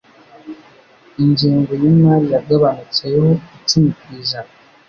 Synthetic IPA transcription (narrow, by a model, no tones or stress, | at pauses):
iɲɟiːŋɡo̞jimŋaɾijaɡaβanit͡sejehoitimikiːza